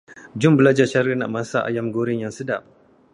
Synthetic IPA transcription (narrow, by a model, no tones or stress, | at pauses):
d͡ʒʊmbəlad͡ʒaʃaɾinaʔmasaʔa̰jamɡoɾɪŋjaŋsədaʔ̚